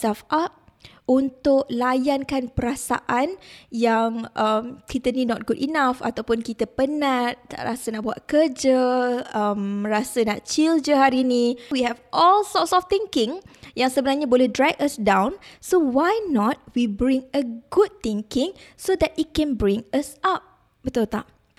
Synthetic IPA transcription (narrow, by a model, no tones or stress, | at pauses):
safʔap̚ | unt̪ʊk̚lajankanpəɾasa̰ʔanjaŋʔəmkit̪ənĩnɔt̪̚ɡudinafa̰t̪awpʊnkit̪əpənãtt̪a̰ʔɾasənaʔbua̰t̪̚kəd͡ʒəəmrasənaʔt͡ʃild͡ʒəɦaɾinĩwiɦɛvʔɔlsɔtsɔft̪iŋkɪ̃ŋjaŋsəbənarɲabolɛhdɹɛkəsdãwnsowajnɔt̚wibɾɪ̃ŋəɡud̪̚t̪iŋkɪ̃ŋsod̪ɛt̚it̚kɛ̃nbɹɪ̃ŋəsap̚ | bət̪ult̪a̰ʔ